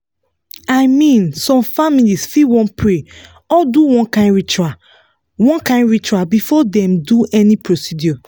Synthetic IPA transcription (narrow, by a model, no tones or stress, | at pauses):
ajmĩnsɔ̃mfamilisfiwɔ̃npɹe | ɔduwɔ̃nkãɪ̃ndɹit͡ʃua | wɔ̃nkãɪ̃ndɹit͡ʃuabifɔdɛ̃mduʔɛnipɹosidjɔ